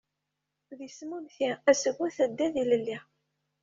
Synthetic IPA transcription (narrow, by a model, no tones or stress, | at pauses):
ðismumθiæsəɣːæθəd̪ːæðiləlːi